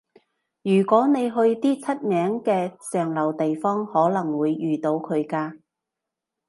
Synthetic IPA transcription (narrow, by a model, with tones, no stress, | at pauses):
jyː˨˩kʷɔː˨˥ne˨˧jɦɵ˧ɥt̪iː˥t͡sʰɐ˥t̚mɛː˨˥ŋkɛː˧sœː˨ŋlɐ˨˩wt̪e˨jfɔː˥ŋhɔː˨˥lɐ˨˩ŋwuː˨˧jːyː˨t̪o˨˧wkʰɵ˨˧ɥkaː˧